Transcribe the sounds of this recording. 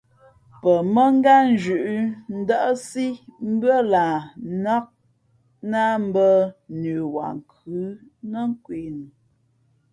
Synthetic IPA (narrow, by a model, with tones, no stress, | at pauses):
pə˨mə˦ŋ̩˦ɡa˦n˦d͡ʒʉ˨ʔn̩˦də˦ʔsi˦m̩˦bɰə˦la˨nɔ˦k̚ | na˦m̩˦bə˦nʉ˨wa̰˨ŋ˨kʰʉ˨˦nə˦ŋ˦kwe˨nu˨